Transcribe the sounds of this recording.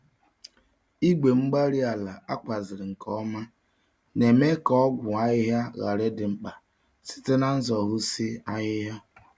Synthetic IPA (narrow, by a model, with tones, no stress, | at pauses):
i˦ɡ͡be˨ŋ͡m̩˦ɡ͡ba˦ɾi˦a˨la˨a̰˦kʷa˨zɪ˨ɾɪ˨ŋ̩˨kɔ˦ma˦ | ne˨me˦kɔ˦ɡʷʊ˨a˦ɣɪ˦ɦja˦ɣa˨ɾe˦dɪ˨ŋ͡m̩˦k͡pa˨ | si̥˦te˦na˦n̩˦zɔ˨ɦʊ˦si˦a˦ɣɪ˦ɦja˦